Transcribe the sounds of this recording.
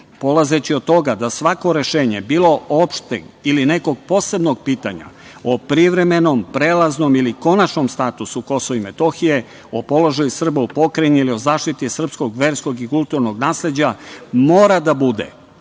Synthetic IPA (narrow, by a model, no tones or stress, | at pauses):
po̞lˠaze̞t͡ɕiod̪̚t̪ːo̞ɡad̪asʋako̞ɾe̞ʃe̞ːɲe̞biːlˠo̞o̞pʃt̪ḛiline̞ko̞ɡ̚po̞ːse̞bno̞ɡ̚piːt̪aɲa̰ | opɾiʋɾe̞me̞no̞mpɾeːlˠazno̞miliko̞nat͡ʃnomst̪at̪usuko̞soʋime̞t̪o̞xije̞ | opo̞lo̞ʒajusr̩baupo̞kɾeɲuilio̞zaːʃt̪it̪isr̩psko̞ɡʋe̞ːɾsko̞ɡikulˠt̪uɾno̞ɡnaːsle̞d͡ʑamo̞ːɾad̪abud̪ḛ